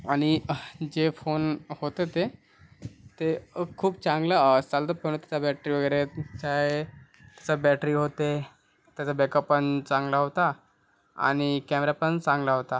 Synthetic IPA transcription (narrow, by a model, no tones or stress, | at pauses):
aɽ̃id͡ʑefonhot̪et̪e | t̪ekʰuːb̚t͡sãŋɡlat͡salt̪əpəɽ̃t̪at͡sabɛʈɾiːʋəɡəɾet͡ɕaɦe | t̪jat͡sabɛʈɾiːɦot̪e | t̪jat͡sabekəpːənt͡sãŋɡlaɦot̪a | a̰ɽ̃ikɛmeɾapəɳt͡sãŋɡlaɦot̪a